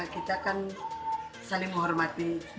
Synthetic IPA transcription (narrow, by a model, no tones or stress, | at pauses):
akit̪aːkan | salɪŋməɦɔrmat̪i